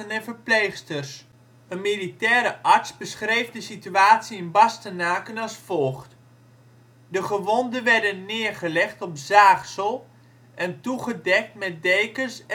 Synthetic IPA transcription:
ənɛnvəɹplejχstərs | ənmilitɛːɾəʔɑɹtsbəsχrejvdəsityaːtsiɪnbɑstənaːkənɑlˠsfɔlˠχt | dəχəʋɔndənʋɛɹdənːɪːɹχəlɛχtɔpzaːχsəlˠ | ʔɛntuχədɛk̚tmɛt̚dejkəs

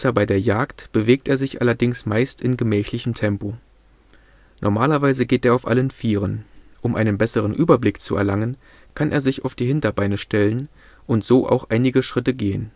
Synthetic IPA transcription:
sɐbaɪdeːɐjaːktb̥əveːk̚tʔeːɐzɪçʔa̰lɐdɪŋsmaɪstɪnɡəmɛːçlɪçəm̩tʰɛmpo | nʔɔ̰ɐmaːlɐvaɪzəɡeːteːɐaʊfʔa̰lənfiːʁ̞ənʔʊmʔa̰ɪnənbɛsəʁ̞ənʔyːbɐblɪkt͡sṵɛ̰ɐlaŋən | kʰanʔḛːɐzɪça̰ʊfd̥iːɦɪntɐbaɪnəʃtɛlən | ʔʊntz̥oːʔa̰ʊxʔaɪnɪɡəʃʁ̥ɪtəɡeːən

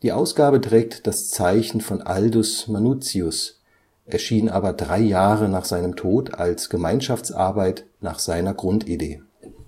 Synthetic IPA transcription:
d̥iːʔaʊsɡ̥aːbətʁ̥ɛːk̚td̥ast͡saɪçn̩fɔnʔaldʊsmanuːt͡siʊs | ʔɛɐʃiːnʔaːbɐdʁaɪjaːʁənaːχz̥aɪnəmtʰoːta̰lsɡ̥əmaɪnʃaft͡sʔa̰ɐbaɪtna̰ːχz̥aɪnɐɡʁʊntidḛː

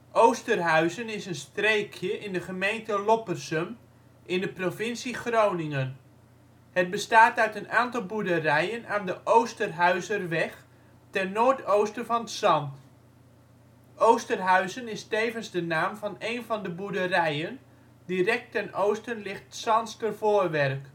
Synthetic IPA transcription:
ʔowstərɦœɥzənɪsənstrejkʰjəʔɪndəχəmejntəlopərsəm | ʔɪndəprofɪnsiχrownɪŋən | həd̚bəstaːtœɥtənaːntɑlˠbudərɛjənaːndəʔowstərɦœɥzərʋɛx | tɛnnoːrtʰowstənvɑnətsɑnt | ʔowstərɦœɥzənɪstejvənzdənaːmvɑnejnvɑndəbudərɛjən | dirɛk̚tɛnowstənlɪχtsɑnstərvoːrʋɛrk

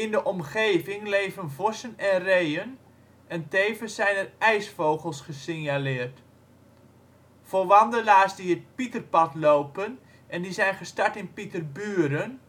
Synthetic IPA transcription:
ɪndəʔɔmχeːvɪŋlejvənvɔsənɛnrejən | ɛntejvəsːɛjnərɛjsfowɣəlˠsχəsɪnjalɪːərt | foʋɑndəlaːsdiət̚pitərpɑtloːpən | ʔɛndizɛjnχəstaɹtɪnpitərbyːɾən

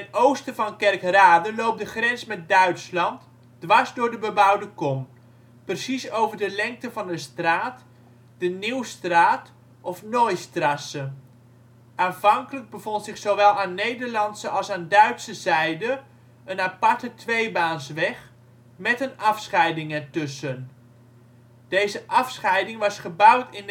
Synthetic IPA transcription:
ɛnowstəvɑnkɛrkraːdəlowp̚dəχrɛnsmɛt̚dœɥtslɑnt | d̥ʋɑɹzdʊːɹdəbəbʌwdəkɔm | prəsisowvəɹdəlɛŋk̚təvɑndəstraːt | d̥əniwstraːt | ʔɔfnojstrɑsə | ʔaːnv̥ɑŋkələɡ̚bəvɔntsɪχsowʋɛlˠaːnːejdəɹlɑntsəʔɑlˠsaːndœɥtsəzɛjdə | ənapɑɹtətʰʋejbaːnsʋɛχ | mɛtənɑfsχɛjdɪŋətɵsən | d̥ejzəʔɑfsχɛjdɪŋʋɑsχəbʌwtɪn

